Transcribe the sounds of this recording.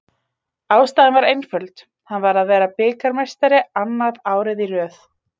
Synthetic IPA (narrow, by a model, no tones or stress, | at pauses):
aːwst̪aːðɪnvaɾejnfʏlt̪ | hanvaɾaðvɛːɾapɪːkaɾmejst̪aɾɪanːaðaːwɾɪðirœːθ